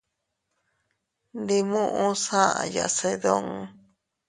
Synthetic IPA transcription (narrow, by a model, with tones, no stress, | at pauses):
nd̪i˧mũ˦ʔũ˦sã˦ʔã̰˧ja̰˨se˧ðõ˦ŋ˨